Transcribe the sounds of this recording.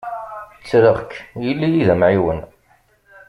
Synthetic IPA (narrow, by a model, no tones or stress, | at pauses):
t͡sːɾəʁkːjəlːijiðæmʕiwən